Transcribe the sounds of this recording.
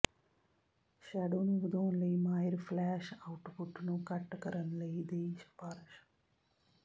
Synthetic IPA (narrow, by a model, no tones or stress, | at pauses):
ʃɛːɖoːnũːʋəd̪ʱõːnləimaːɪɾflɛːʃaːʊʈpʊʈnũːkɐʈkəɾənləid̪eiʃə̥paːɾʃ